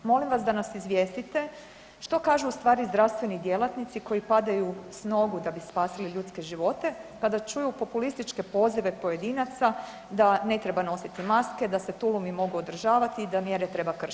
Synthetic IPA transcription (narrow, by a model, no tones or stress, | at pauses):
mo̞limʋasd̪anasizʋje̞ːst̪it̪e̞ | ʃt̪o̞kaːʒuːst̪ʋaːɾizd̪ɾaʋst̪ʋe̞nid̪je̞lˠat̪nit̪siko̞jipad̪ajusno̞ɡud̪abispaːsiliʎuːt̪ske̞ʒiʋo̞t̪e̞kad̪at͡ʃujupo̞pulist̪it͡ʃke̞po̞ːziʋepo̞je̞d̪iːnat̪sa | d̪ane̞t̪ɾe̞bano̞sit̪imaske̞d̪ase̞t̪ulˠumimo̞ɡuod̪r̩ʒaːʋat̪iːd̪amje̞ɾet̪ɾe̞bakr̩ʃ